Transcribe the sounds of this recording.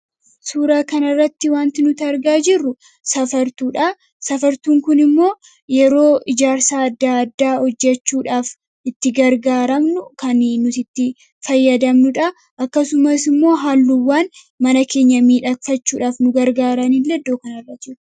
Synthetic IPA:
suːɾaːkɐnɐrːɐt̪ːɪwaːnt̪ɪnʊt̪ɐɾɡaːd͡ʒɪrːʊ | sɐfɐɾt̪uːᶑɐ | sɐfɐɾt̪uːŋkʊnɪmːo̞ː | jɛɾo̞ːʔɪd͡ʒaːɾsaːɐd̪ːaːɐd̪ːaːhɔd͡ʒːɛt͡ʃːuːᶑaːf | ɪt̪ːɪɡɐɾɡaːɾɐmnʊkɐnnʊt̪ɪt̪ːɪ | fɐjːɐd̪ɐmnʊᶑɐ | ʔɐkːɐsʊmɐsɪmːo̞ːɦaːlːuːwaːn | mɐnɐke̞ːɲːɐmiːᶑɐkfɐt͡ʃːuːᶑaːfnʊɡɐɾɡaːɾɐniːlːɛd̪ːo̞ːkɐnɐrːɐt̪ːd͡ʒɪᶑ

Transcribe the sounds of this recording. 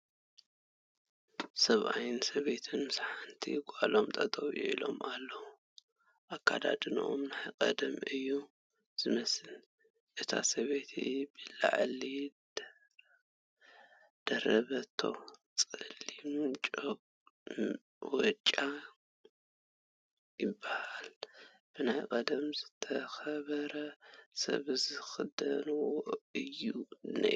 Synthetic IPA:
sɐβʔa̰jnsɐβe̞t̪ʰɨnmɨsħant̪ʰḭɡʷʼalo̞mt̪ʼɐt̪ʼowjuʔilo̞malːɐwu | ʔakʰːad̪a̰d̪ʼɨnʔomnakʼɐ̰d̪ɐmɨjːu | z̥ɨmɐsɨl | ʔɨt̪ʰa̰sɐβe̞t̪ʰibɨla̰ʕli | d̪̥ɐɾɐβɐt̪ʰːo̞̰ | t͡sʼɨlːimt͡ʃʼok | wɔt͡ʃʼa | jɪbːahal | b̥ɨnajkʼɐd̪ɐmzɨt̪ʰɐxɐβɐɾɐsɐ̰βɨzɨxɨd̪ɐnwoɨjːunɐ̰

